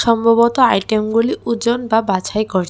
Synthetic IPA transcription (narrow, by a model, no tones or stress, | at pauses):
ʃɔmbʱɔbɔt̪ɔajʈemɡuliʔud͡ʒɔnbabat͡ʃʰajkɔɾ